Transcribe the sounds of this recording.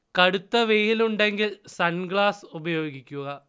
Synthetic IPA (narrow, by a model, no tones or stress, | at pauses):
kɐɽut̪ːɐʋeːjiluɳɖe̞ŋɡilsɐnɡɭaːsubɐjo̞ːɡikʲːuɣɐ